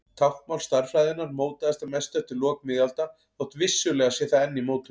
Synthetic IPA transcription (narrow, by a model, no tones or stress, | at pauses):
t̪ʰawhkmawlst̪aɾ̥fɾajðɪnaɾmoːwt̪aðast̪amɛst̪œht̪ɪlɔːkmɪːðalt̪a | ɔht̪vɪsːʏlɛːɣasɛθaɛnːimowt̪lʏ